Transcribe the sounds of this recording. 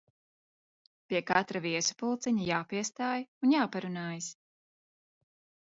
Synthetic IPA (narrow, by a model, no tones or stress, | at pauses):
piɛkat̪ɾaviɛsu̥pulˠt̪sɛɲajaːpiɛst̪aːjunjaːpaɾunaːjas